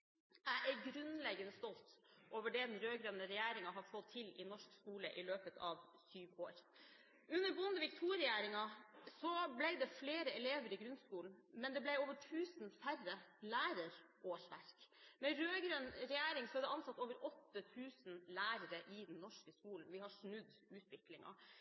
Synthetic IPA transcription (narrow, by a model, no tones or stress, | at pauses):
æʔæɾɡɾʉnlɛɡənəst̪ɔlt̪ʔoːʋəɖɛd̪ɛnɾøːɡɾønəɾɛjæːɾɪŋɑɦɑfɔt̪ʰːɪlɪnɔʂkskuːləʔɪløːpət̪ʰɑ̰ʋsyːʋoːɾ | ʉnːəɾbʊnd̪əʋɪkt̪ʰuːɾɪjæːɾɪŋɑsɔblæɪd̪ɛfleːɾəɛleːʋəɾɪɡɾʉnskuːln̩mɛnd̪ɛblæɪoːʋəʈʰʉːsnfærəlæːɾəɾ | oːʂʋæ̰ɾkmɛɾøːɡɾønɾɛjæːɾɪŋsɔd̪ɛʔɑnsɑt̪ːoːʋəɾɔt̪ːət̪ʰʉːsnlæːɾəɾəʔɪd̪ɛnːɔʂkəskuːln̩ʋɪhɑʂnʉd̪ʉːt̪ʋɪklɪŋɑ̰